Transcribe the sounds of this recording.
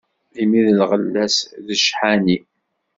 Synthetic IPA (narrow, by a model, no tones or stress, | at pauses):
imiðəlʁəlːæsðəʃħani